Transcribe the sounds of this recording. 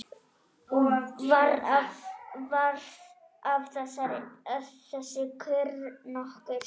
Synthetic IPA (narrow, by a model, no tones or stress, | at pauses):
ɔvaɾavvaɾð | avθɛsaɾɪðθɛsɪkʰʏɾnɔhkʏɾ̥